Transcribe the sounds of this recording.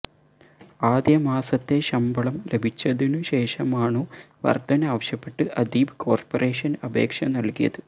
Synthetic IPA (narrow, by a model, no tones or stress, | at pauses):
aːd̪jɐmaːsɐt̪ːe̞ɕɐmbɐɭɐmle̞bʱit͡ɕːɐðinɨɕe̞ːʂɐmaːɳoː | ʋɐ̰rd̪ɐnɐaːʋɐɕjɐpːe̞ʈːɨʔɐd̪iːbɨko̞ːrpore̞ːʂɐnɐbʱe̞̰ːkʂɐmnɐlkijɐ̰ðɨ